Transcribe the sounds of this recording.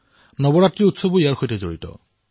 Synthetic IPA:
nɔbɔɹatɹiutsoboijaɹxojtɛzo̰ɹitɔ̰

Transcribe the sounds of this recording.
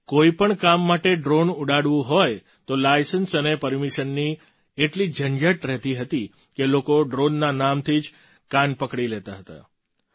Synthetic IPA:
koipəɳkamːaʈeɖɾonuɽaɽʋũɦoj | t̪olajsənsənepəɾmiʃənːi | eʈlid͡ʒənd͡ʒəʈɾɛɦt̪iɦət̪i | kelokoɖɾonːanamt̪ʰid͡ʒ | kanpəkɽilet̪aɦət̪a̰

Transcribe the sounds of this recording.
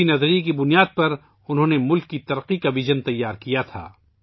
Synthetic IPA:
inɐzɾikibʊnijaːd̪̚pɐɾ | ʊnɦõːnemʊlkːit̪ɐɾqikaʋɪʒənt̪ɐjːaːɾkijat̪ʰa̰ː

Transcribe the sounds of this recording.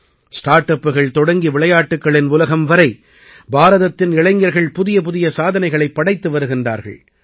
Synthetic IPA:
sʈaːɾʈːɐpːɯɣɐɭt̪ɔɽɐŋɡiʋɪɭɐjaːʈːɯkːɐɭɪnʊlɐɣɐmʋɐɾɐɪ | baːɾɐðɐt̪ːɪnɪɭɐɪŋɡɐɾɣɐɭpʊðɪjɐpʊðɪjɐsaːðɐnɐɪɣɐɭɐɪpːɐɽɐɪt̪ːɯʋɐɾɯɣɪndra̰ːɾɣɐ̰ɭ

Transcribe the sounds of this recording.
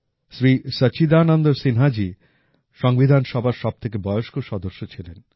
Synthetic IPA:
ʃɾisət͡ɕid̪aːnɔnd̪oɾsinɦad͡ʑi | ʃɔŋbid̪ʱanʃɔbʱaɾʃɔb̚t̪ʰek̬ebɔeoʃkoʃɔd̪oʃːot͡ɕʰilen

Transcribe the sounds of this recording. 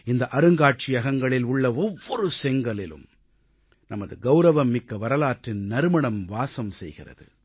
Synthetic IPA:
ɪnd̪ɐʔɐɾɯŋɡaːʈ̚t͡ʃɪjɐɣɐŋɡɐɭɪlʊɭːɐɔʋːɔɾɯsɛŋɡɐɭɪlɯ̰m | nɐmɐðɯɡɐʊɾɐʋɐmːɪkːɐʋɐɾɐlaːʈrɪnnɐɾɯmɐɳɐmʋaːsɐmsɛjɣɪ̰rɐ̰ðɯ̰

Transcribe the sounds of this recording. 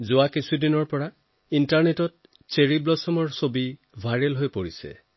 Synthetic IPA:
zʊakisʰudinɔɹpɔɹa | intaɹnetɔt̚ | seɹiblɔsɔmɔɹsobi | bʱajɹɛlɦojpoɹisɛ̰

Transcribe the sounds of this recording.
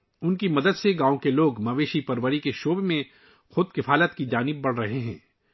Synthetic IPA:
ʊnkimɐd̪əd̪seɡãːõkeloːɡmɐʋeːʃipɐɾʋəɾikeʃoːbemẽ | xʊd̪̚kɪfaːlət̪kid͡ʒaːnɪb̚ːɐɽ̤ɾɐɦeɦɛ̰̃ː

